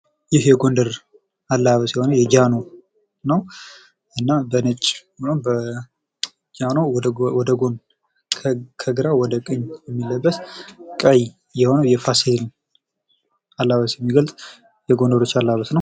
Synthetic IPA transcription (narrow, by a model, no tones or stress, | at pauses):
jɪhjɛɡo̞ndəɾ | alːaβəsjɛho̞nəjɛd͡ʒano | nəw | ɨnːabənət͡ʃʼːombə | d͡ʒanowɔd̪əɡonʰ | kʰəɡɨɾawɔd̪əkʼɨɲjɛmːiləbːəskʼəj | jɛho̞nəwjɛfasel | alːaβəsjɛmːiɡəlt̪ʼ | jɛɡo̞ndəɾo̞t͡ʃːalːaβəsnəw